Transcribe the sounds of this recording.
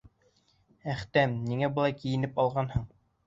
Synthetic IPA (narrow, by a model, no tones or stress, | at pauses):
æχt̪æmniŋæbɤ̆lˠɑjkijɘ̆nɘpɑlˠʁɑnhɤɴ